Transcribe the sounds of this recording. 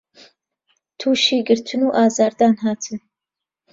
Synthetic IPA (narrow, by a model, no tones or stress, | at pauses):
t̪ʰuːʃiːɡɨɾt̪ʰɨnuːʔaːzaːɾd̪aːnɦaːt̪ʰɨn